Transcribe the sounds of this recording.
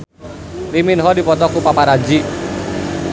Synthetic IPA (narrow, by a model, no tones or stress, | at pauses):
liminɦɔdipɔt̪ɔkupapaɾad͡ʒi